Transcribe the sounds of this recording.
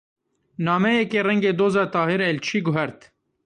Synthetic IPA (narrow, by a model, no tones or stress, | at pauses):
nɑːmɛjɛkeːrɛŋɡeːd̪oːzɑːt̪ɑːɦiɾɛlt͡ʃʰiːɡʊɦɛɾt̪